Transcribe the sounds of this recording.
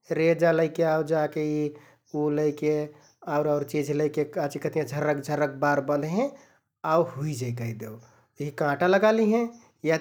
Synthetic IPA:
ɾed͡ʒaləɪkeaud͡ʒakei | uləɪke | aʊɾaʊɾt͡ʃid͡ʒʱləɪkekat͡ʃikət̪ijãd͡ʒʱəɾəkd͡ʒʱəɾək̚baɾbə̃nd̪ɦẽ | auhuid͡ʒaikəid̪ew | ɦikãʈaləɡaliɦɛ̃ | ja

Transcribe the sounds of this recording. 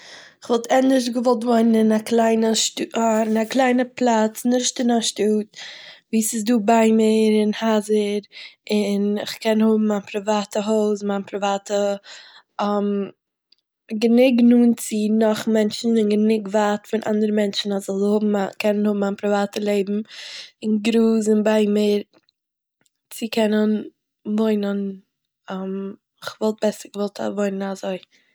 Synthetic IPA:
ɪχvɔlˠtʰɛnɪʃɡəvɔlˠtvoɪnənɪnaklˠaɪnəʃtuɪnaklˠaɪnəplˠat͡snɪʃtɪnaʃtuːt̚viːsɪsduːbaɪmɪɾɪnhazəɾɪnɪχkʰɛnhʊbm̩ːaːnpʰɾɪvaːtəɦoʊs̬manpɾɪvaːtə | am | ɡənɪɡnuːnt͡sɪnɔχmɛnt͡ʃn̩ɪnɡənɪɡvaːtfɪnʔa̰ndəɾəmɛnt͡ʃn̩azzɔlˠhʊbm̩akʰɛnənhʊbm̩ːaːnpɾɪvaːtəlˠeɪbm̩ɪnɡɾuːs̬ɪnbaɪmɪːɾ | t͡sɪkʰɛnən | voɪnən | am | ɪχvɔlˠt̚b̥ɛsəɾɡəvɔlˠtʰa̰voɪnənazoɪ

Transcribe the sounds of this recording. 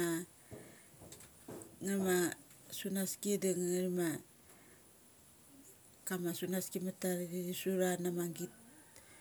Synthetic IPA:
a | ŋama | sunaskidaŋŋaɾima | kamasunaskimataɾɡiɾisuɾanamaŋɡit̚

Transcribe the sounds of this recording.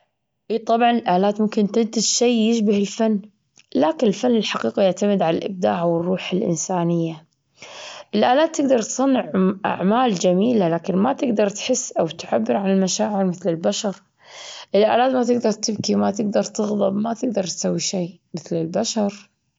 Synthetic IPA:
ʔiːt̪ˤɑbʕɑnɪlʔaːlaːt̪mʊmkɪnt̪ɪnt̪ɪd͡ʒʃeːjɪʃbahɪlfanː | laːkɪnɪlfanːɪlħaqiːqijaʕt̪amɪd̪ʕalalʔɪ̰b̚d̪a̰ːʕwɨrˤːuːħɪlʔɪ̰nsaːnɪjːa | ʔɪlʔaːlaːt̪ːɪɡd̪ɑɾˤt̪sˤɑnːɪʕʔa̰ʕmaːld͡ʒamiːlalaːkɪnmat̪ɪɡd̪ɑɾˤt̪ħɪsːʔawt̪ʕabːɪɾʕanɪlmaʃaːʕɪɾmɪθlɪlbaʃɑɾˤ | ʔɪlʔaːlaːt̪mat̪ɪɡd̪ɑɾˤt̪ɪbkimat̪ɪɡd̪ɑɾˤt̪ɨɣðˤɑbmat̪ɪɡ̚d̪ɑɾˤt̪sawːiʃeː | mɪθlɪlbaʃɑɾˤ

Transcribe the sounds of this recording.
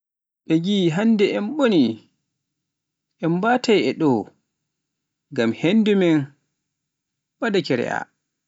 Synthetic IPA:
ɓɛɡiɦandɛʔɛmɓoni | ʔɛmbatʰajɛɗɔ | ɡamhendumɛn | ɓadakɛɾɛ̰ʔa̰

